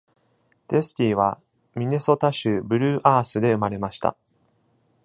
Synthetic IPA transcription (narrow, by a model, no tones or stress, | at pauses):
d̪̥e̞sɨ̥kʲiːβ̞a | mʲine̞so̞t̪aɕɨbɯ̟ɾɯ̟ːʔaːsɨd̪e̞ɯ̟maɾe̞maɕi̥t̪a̰